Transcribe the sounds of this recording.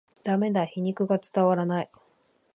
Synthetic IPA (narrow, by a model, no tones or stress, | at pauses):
d̪̥ame̞d̪açiɲ̟ikɯ̟ɡat͡sɨ̥t̪aβaɾanai